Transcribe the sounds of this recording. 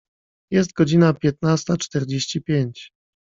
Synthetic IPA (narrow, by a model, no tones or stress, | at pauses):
jɛst̪̚ɡɔd͡ʑinapʲjɛt̪nast̪at͡ʂt̪ɛɾd͡ʑeɕt͡ɕipʲjeɲt͡ɕ